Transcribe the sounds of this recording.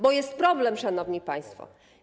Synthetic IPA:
bɔjɛst̪̚pɾɔblɛmʂanɔvɲipaj̃st̪fɔ̰

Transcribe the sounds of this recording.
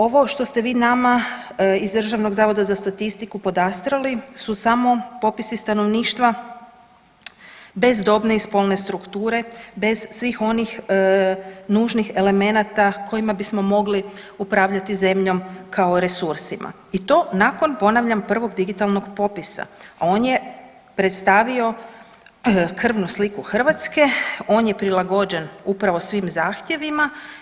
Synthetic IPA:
o̞ʋo̞ʃt̪o̞st̪e̞ʋiːnamaizd̪r̩ʒaʋno̞ɡzaːʋo̞d̪azast̪at̪ist̪ikupo̞d̪ast̪ɾalisusamo̞po̞pisist̪ano̞ʋniːʃt̪ʋa | be̞zd̪o̞bne̞ispo̞lˠne̞st̪ɾukt̪uːɾe̞be̞z̥sʋixo̞nix | nuːʒnixe̞le̞me̞nat̪akʰo̞imabismo̞mo̞ɡli | upɾaːʋʎat̪ize̞mʎo̞mkʰaoɾe̞suɾsimʔa̰ | it̪o̞ːnako̞npo̞naʋʎampr̩ʋo̞ɡd̪iɡit̪alno̞ɡpo̞pisa̰ao̞ːnje̞ | pɾet̪st̪aːʋio̞ | kr̩ʋnuslikuxr̩ʋat̪ske̞o̞ːnje̞pɾilˠaɡo̞d͡ʑe̞nupɾaʋo̞sʋimzaːxt̪je̞ʋima

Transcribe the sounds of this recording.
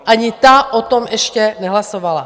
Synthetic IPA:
ʔaɲɪt̪aʔot̪omʔɛʃcɛnɛɦlasovala

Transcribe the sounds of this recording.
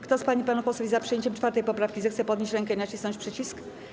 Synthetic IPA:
kt̪ɔspaɲipanupɔswuvʲizapʂɨjeɲt͡ɕɛmt͡ʂfaɾt̪ɛjpɔpɾafkʲizɛxt̪sɛpɔd̪ɲeɕt͡ɕɾɛŋkɛinat͡ɕisnɔ̃ɲt͡ɕʲpʂɛt͡ɕisk

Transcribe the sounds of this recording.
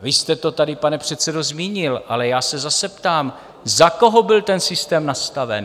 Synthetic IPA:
vɪst̪ɛt̪o̞t̪adɪpanɛpr̝̥ɛt̪sɛdo̞zmiːɲɪlʔalɛjaːsɛzasɛpt̪aːm | zako̞ɦo̞bɪlt̪ɛnsɪst̪ɛːmnast̪avɛ̰n

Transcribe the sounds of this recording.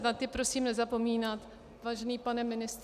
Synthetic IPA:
nat̪ɪpɾo̞siːmnɛzapo̞miːnat̪ | vaːʒɛniːpanɛmɪnɪst̪

